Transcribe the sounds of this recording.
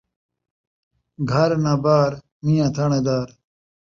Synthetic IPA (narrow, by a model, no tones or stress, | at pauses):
ɡʱɐɾnabaːɾ | mijãt̪ʰɐɳed̪aːɾ